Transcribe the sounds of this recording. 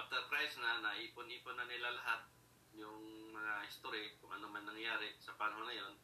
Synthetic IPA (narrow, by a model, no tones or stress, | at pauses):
ʔap̚t̪ɛɾpɾajsnɐnɐʔiːpʊnʔiːponːɐnɪlalɐɦat̪̚ | jʊŋmɐŋahɪst̪oːɾɪkʊŋʔɐ̰nomɐŋnɐŋjaːɾɪsɐpanɐɦonɐjo̞n